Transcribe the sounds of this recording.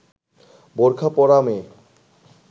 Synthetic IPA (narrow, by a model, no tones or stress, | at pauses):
boɾkʰapɔɾame